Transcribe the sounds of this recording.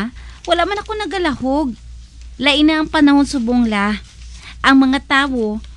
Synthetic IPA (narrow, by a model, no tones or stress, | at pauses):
wɐlaʔmanɐko̞nɐɡɐlɐhoɡ̚ | lɐʔɪnːaʔɐŋpɐnɐho̞nsʊboŋla | ʔɐŋmɐŋat̪aːwo̞